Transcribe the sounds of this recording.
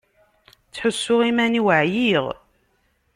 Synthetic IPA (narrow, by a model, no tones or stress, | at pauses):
t͡sːħʊsːʊʁimæniwəʕjiʁ